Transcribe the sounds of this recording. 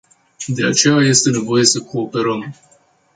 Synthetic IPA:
d̪e̞at͡ʃe̞jaje̞st̪e̞ne̞vo̞je̞səkʰo̞ːpe̞ɾəm

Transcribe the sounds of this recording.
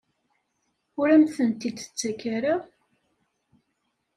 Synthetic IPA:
ʊɾæmθənt̪id̪ə̥t͡sːækːaɾa

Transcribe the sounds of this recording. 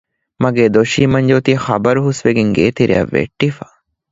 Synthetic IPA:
mɐɡeːd̪oʃiːmɐɲd͡ʒoːt̪ixɐbɐɾuɦusʋeɡeŋɡeːt̪iɾḭɐ̰ʋːḛʈːifḁ

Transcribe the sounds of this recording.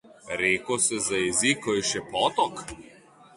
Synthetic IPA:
ɾeːkɔsɛzajɛzikɔjɛʃɛpɔːt̪ɔk

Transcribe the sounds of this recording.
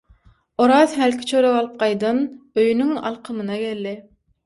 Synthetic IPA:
oɾɑːzhælkʲʰi̥t͡ʃʰøɾeβɑlˠɯp̚qɑjd̪ɑnøjynyŋɑ̰lˠqʰɯmɯnɑɡʲelːi

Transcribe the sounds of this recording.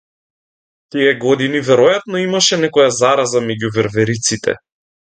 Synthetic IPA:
t̪iɛɡɔd̪inivɛɾɔjat̪nɔimaʃɛnɛkɔjazaɾazamɛɟuvɛɾvɛɾit̪sit̪ɛ̰

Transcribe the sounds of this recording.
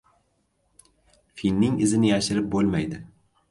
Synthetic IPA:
finːɪŋɪzɪnɪjaʃɪɾɪp̚bolˠmajd̪ɪ

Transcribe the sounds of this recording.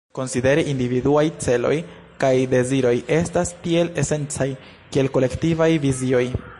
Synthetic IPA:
ko̞nside̞ɾiʔindividuajt͡se̞lo̞̰j | kajde̞ziɾo̞je̞stastie̞le̞se̞nt͡saj | kie̞lko̞le̞ktivajvizio̞j

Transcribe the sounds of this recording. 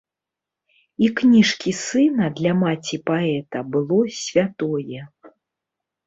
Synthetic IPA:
iknʲiʂkʲisɨnɐd̪lʲamat͡sʲipaɛt̪ɐbɨlˠɔsʲvʲat̪ɔjɛ

